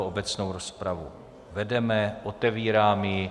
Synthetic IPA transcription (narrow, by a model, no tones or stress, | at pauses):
oʔobɛt͡sno̞wɾospɾavṵ | vɛdɛmɛʔot̪ɛviːɾaːmjɪ